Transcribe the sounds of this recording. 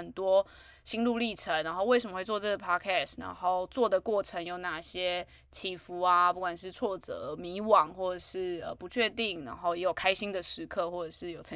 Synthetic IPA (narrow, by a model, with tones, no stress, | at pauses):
ə˨˩nt̪wɔ˥ | ɕi˥ŋlu˥˧li˥˩ʈ͡ʂʰə˧˦na˧˥ŋxo˥˧ʊwe˥˩ɪʂə˨˩mə˧xwe˥˧ɪt͡swɔ˥˧ʈ͡ʂɤ˥˩ɡə˩pʰɑ˥kʰɛ˥˩sna̰˧˥ŋxo˥˩˧ʊt͡swɔ˥˩d̪ə˩kwɔ˥˩ʈ͡ʂʰə˧˥ŋjo˨˩ʊna˥˩ɕjɛ˥ | t͡ɕʰi˧˥fu˧˥a˧pu˥˩kwa˨˩nʂɻ̩˥˧t͡sʰwɔ˥˩t͡sɤ̰˧˩˦mi˧˥˦wɑ˨˩˦ŋxwɔ˥˩ʈ͡ʂɤ˨˩ʂɻ̩˥˩ə˩pu˧˥t͡ɕʰɥɛ˥˧t̪i˥˩ŋna̰˧˥ŋxo˥˩ʊjɛ˧˥jo˨˩ʊkʰa˥ɪɕi˥ŋd̪ə˨ʂɻ̩˧˥kʰɤ˥˧xwɔ˥˩ʈ͡ʂə˨˩ʂɻ̩˥˩jo˨˩ʊʈ͡ʂʰə˧˦